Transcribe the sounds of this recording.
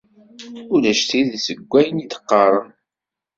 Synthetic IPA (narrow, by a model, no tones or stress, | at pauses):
ulæʃt̪iðisəɡʷːæjənit̪ə̥qːɑɾˤən